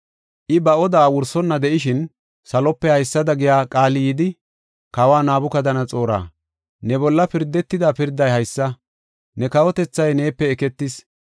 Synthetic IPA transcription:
ʔɪbɐʔɔd̪aːwʊɾsɔnːɐd̪ɛʔɪʃɪn | sɐlɔpːɛhɐjsːɐd̪ɐɡɪjaːkʼaːlɪjɪd̪ɪ | kɐwaːnaːbʊkɐd̪ɐnɐt͡sʼo̞ːɾa̰ː | nɛbɔlːɐpɪɾd̪ːɛt̪ːɪd̪apɪɾd̪ːɐjhɐjsːɐ | nɛkɐwɔt̪ɛt͡sːɐjne̞ːpːɛːkɛt̪ːɪs

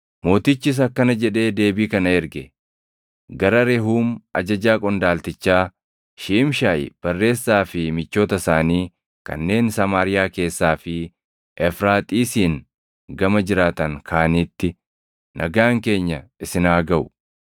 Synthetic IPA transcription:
mo̞ːt̪ɪt͡ʃːɪs̬ɐkːɐnɐd͡ʒɛᶑe̞ːd̪e̞ːbiːkɐnɐɛɾɡɛ | ɡɐɾɐɾɛɦuːmɐd͡ʒɐd͡ʒaːkʼɔnd̪aːlt̪ɪt͡ʃːaː | ʃɪʔɪmʃaːjɪ̰b̥ɐrːe̞ːsːaːfɪmɪt͡ʃːo̞ːt̪ɐsaːniː | kɐ̰nːe̞ːnsɐmaːɾɪjaːke̞ːsːaːfɪ | ʔɛfɾaːt̪ʼiːsiːn | ɡɐmɐd͡ʒɪɾaːt̪ɐŋkʰaːniːt̪ːɪ | nʔɐɡaːŋke̞ːɲːɐɪsɪnaːɡɐʔʊ̥̰

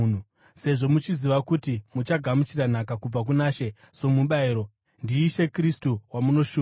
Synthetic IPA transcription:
nu | se̞ʐo̞mut͡ʃiziʋakutimut͡ʃaɡʱamut͡ʃiran̤akakub͡vak̬unaʃe̞ | so̞muɓaeɾo | ndiːʃe̞kristuwamuno̞ʃuː

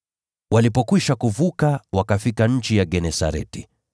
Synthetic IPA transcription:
walipɔkwiʃakuvukawakafikaɲ̩t͡ʃijaɡɛnɛsa̰ɾɛ̰ti

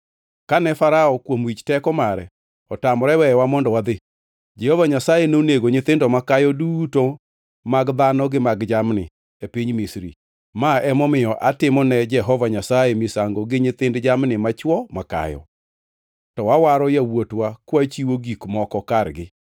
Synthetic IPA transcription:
kanɛfaɾaɔkwomwit͡ʃtɛkɔmaɾɛ | ɔtamɾɛwɛjwamɔndɔwad̪ɪ | d͡ʒɛhɔvaɲasajenoneɡoɲɪt̪ɪndɔmakajɔduto | maɡd̪anɔɡɪmaɡd͡ʒamnɪ̰ | epiɲmisɾḭ | maɛmɔmɪjɔʔatɪmɔnɛd͡ʒɛɦɔvaɲasajemisaŋɡoɡɪɲɪt̪ɪndd͡ʒamnɪmat͡ʃwɔmaka̰jɔ̰ | tɔwawaɾɔjawotwakwat͡ʃiwoɡikmɔkɔkaɾɡɪ

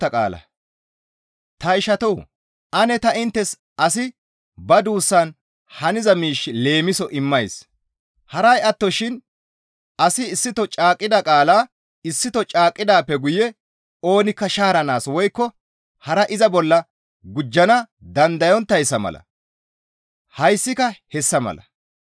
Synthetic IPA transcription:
ɐkʼa̰ːlɐ̰ | t̪ɐɪʃɐt̪ɔw | ʔɐnɛt̪ɐɪnt̪ːɛs | ɐsɪ | bɐd̪uːsːɐn | hɐnɪzɐmiːʃːɪle̞ːmɪsɔʔɪmːɐjs | hɐɾɐjɐt̪ːɔʃɪn | ɐsɪːsːɪt̪ɔt͡ʃʼaːkʼːɪd̪ɐkʼaːlaː | ɪsːɪt̪ɔt͡ʃʼaːkʼːɪd̪aːpːɛɡʊjɛ | o̞ːnɪkːɐʃaːɾɐnaːswɔjkːɔ | hɐɾɐʔɪzɐbɔlːɐ | ɡʊd͡ʒːɐnɐ | d̪ɐnd̪ɐjɔnt̪ːɐjsːɐmɐ̰lɐ̰ | hɐjsːɪkɐhɛsːɐmɐ̰lɐ

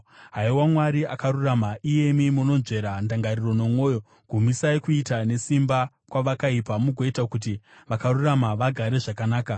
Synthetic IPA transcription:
ɦaiwamwaɾiʔakaɾuramaʔije̞mimuno̞nʐe̞ɾandaŋɡariro̞no̞mwo̞ːjo̞ | ɡʱumisaikuitane̞simba | kwaʋakaipamuɡʱoitakut̬i | ʋakaruramaʋaɡʱaɾe̞ʐakanaːka

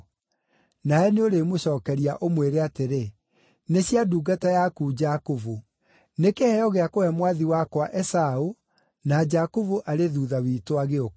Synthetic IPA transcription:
naɛneoɾemoɕɔːkɛɾiaʔomweɾeateɾe | neɕjaduːɡatajakuːd͡ʒakovo | nekehɛɔɣɛakoɛmwaðiwakwaʔɛsao | nad͡ʒakovoʔaɾeðuːðawitoaɣeo

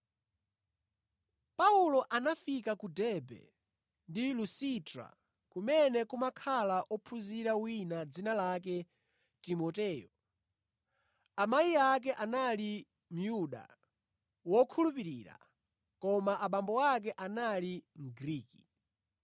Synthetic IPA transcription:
paulɔʔanafikakudɛbɛ̰ | ndilusitɾa̰ | kumɛnɛkumakʰalaʔɔpʰuziɾawinad͡zinalak̬ɛ | timɔtɛːjɔ | amaiak̬ɛʔanali | m̩juɗa̰ | wɔkʰulupiɾḭːɾa̰ | kɔmaʔaɓambɔak̬ɛʔanaliŋɡɾiːki̥

